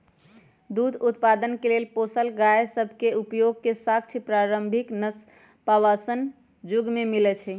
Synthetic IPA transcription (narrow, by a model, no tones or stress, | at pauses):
d̪ud̪ʱut̪pad̪ənkelelposəlɡajsəbʱkeupjoɡ̚kesak̚t͡ʃʰipɾaɾəmbʱiknəs | pawasən | d͡ʒuɡmemilɛt͡ʃʰɛ